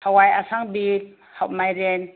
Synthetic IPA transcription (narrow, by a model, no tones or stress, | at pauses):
hawajasaŋbit̚ | hawmajɾen